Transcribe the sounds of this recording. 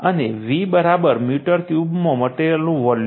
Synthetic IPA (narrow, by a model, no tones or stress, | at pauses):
əneʋibəɾabəɾmjuʈəɾkjubmõməʈelnũʋəl